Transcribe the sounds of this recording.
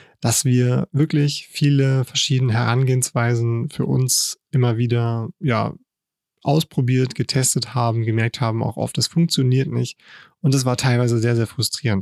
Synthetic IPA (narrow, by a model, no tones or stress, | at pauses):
d̥asv̥iːɐvɪɐklɪçfiːləfɛɐʃiːdənəɦɛʁanɡeːənsv̥aɪzn̩fyːɐʔʊ̰nsʔɪmɐviːdɐja̰ː | ʔa̰ʊspʁ̥obiːɐtɡ̥ətʰɛstəthaːbm̩ɡəmɛɐk̚thaːbm̩a̰ʊxʔɔ̰ft̚d̥asfʊŋk̚t͡sjoniːɐtnɪ̰çtʔʊntd̥as̬v̥aːɐtʰaɪlvaɪzəzeːɐzeːɐfʁ̥ʊstʁ̥iːʁ̞ənt